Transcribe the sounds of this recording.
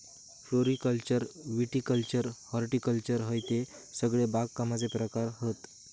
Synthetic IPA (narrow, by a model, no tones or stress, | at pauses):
floɾikəlt͡ɕəɾʋiʈikəlt͡ɕəɾhɔɾʈikəlt͡ɕəɾɦəjt̪e | səɡɭebaɡkːamad͡zepɾəkaɾɦət̪